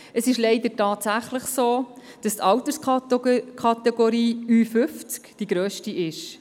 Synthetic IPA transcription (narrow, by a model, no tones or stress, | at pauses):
əsɪʃleɪd̪ətɑːtsæχləχsoː | d̥ɑst̪ɑwtəɾs | kʰɑt̪ɛɡoɾiːyːfʏft͡skd̥iɡ̥ɾøːʃtiʔɪʃ